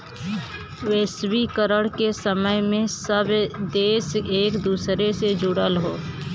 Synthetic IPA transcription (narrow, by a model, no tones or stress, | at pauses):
weːswikəɾəɽkesəməjmẽsəbd̪eːseːkd̪uːsɾesed͡ʒʊɽəlɦoː